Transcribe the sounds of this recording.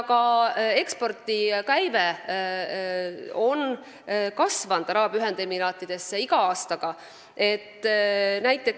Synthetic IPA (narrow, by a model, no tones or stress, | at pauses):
kɑe̞kspo̞rt̪ikæjve | o̞n | kɑsvɑnd̪̥ɑɾɑːb̥yɦe̞nd̪emːinɑːt̪ːˑid̪̥e̞sːeiɡ̥ɑɑːst̪ɑɡ̥ɑ | e̞t̪ːnæjt̪ːˑe̞k